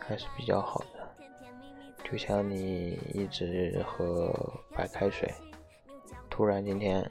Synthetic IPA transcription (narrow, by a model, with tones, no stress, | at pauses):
kʰa˥ɪʂɻ̩˨˧˩pi˨˩t͡ɕjɑ̰˥˩ʊxɑ˨˩ʊd̪̥ə˦ | t͡ɕjo˥˧ʊɕjɑ˥˩ŋni˨˩ḭ˥˩ʈ͡ʂɻ̩˧˥xɤ˧˥pa˨˩ɪkʰa˥ɪʂwḛ˨˩˦ɪ | t̪ʰu˥ɻa˧˥nt͡ɕi˥nt̪ʰjɛ˥n